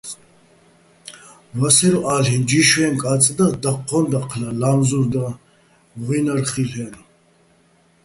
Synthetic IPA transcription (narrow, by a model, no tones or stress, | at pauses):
vasɛɾɔʔalɦɛnd͡ʒiʃwɛnkʼat͡sʼd̪ad̪aqʰːɔnd̪aqʰlalamzuɾd̪a | vʁinaɾχilɛn